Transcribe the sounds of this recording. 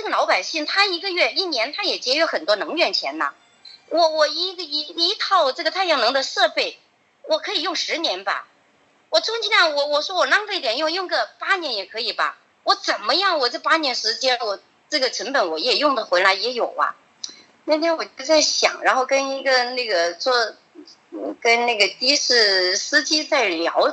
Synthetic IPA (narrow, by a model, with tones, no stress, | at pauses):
ʈ͡ʂɤ˥˩ɡə˩lɑ˧˥ʊpa˨˩ɪɕi˥˩ŋt̪ʰa˥i˧˥ɡə˧ɥɛ˥˩i˥˩njɛ˧˥nt̪ʰa˥jɛ˨˩t͡ɕjɛ˧˥ɥɛ˧˥xə˨˩nt̪wɔ˥nɤ˧˥ŋɥɛ˥˩nt͡ɕʰjɛ˧˥nɐ̰˨˩ | wʔɔ˨˧˩wɔ˨˩i˧˥˧i˧˥i˧˥k̪ʰɑ˥˩ʊʈ͡ʂɤ˥˩ɡət̪ʰa˥˧ɪjɑ˥˩ŋnɤ˧˥ŋd̪ə˧ʂɤ˥˧pe˥˩ɪ | wɔ˨˩kʰɤ˧˥i˨˩jʊ˥˩ŋʂɻ̩˧˥njɛ˧˥nbɐ̰˧ | wɔ˨˩t͡sʰʊ˥ŋt͡ɕʰi˥na˥˩wɔ˨˩wɔ˨˩ʂwɔ˥wɔ˨˩nɑ˥ŋt̪ʰi˥˩t̪jɛ˨˩njʊ˥˧ŋjʊ˥˧ŋɡə˥˧pa˥njɛ˧˥njɛ˨˩kʰɤ˧˥i˨˩bɐ̰˧ | wɔ˧˥t͡sə˨˩nmə˦jɑ˥˩ŋwɔ˨˩ʈ͡ʂɤ˥˩pa˥njɛ˧˥nʂɻ̩˧˥t͡ɕjɛ˥nwɔ˨˩ | ʈ͡ʂɤ˥˩ɡə˩ʈ͡ʂʰɤ˧˥ŋpə˨˧˩nwɔ˨˩jɛ˨˩jʊ˥˩ŋd̪ə˩xwe˧˥ɪla˧˥ɪjɛ˧˥jo˨˩ʊɐ̰˦ | na˥˩t̪ʰjɛ˥nwɔ˨˩t͡ɕt͡sa˥˩ɪɕjɑ̰˨˩ŋɻa̰˧˥nxo˥˩ʊkə˥ni˧˥ɡə˧na˥˩ɡə˩t͡swɔ˥˧˩ | kə˥nna˥˩ɡə˩t̪i˥ʂɻ̩˥˩sɹ̩˥t͡ɕi˥t͡sa˥˩ɪljɑ̰˧˥ʊ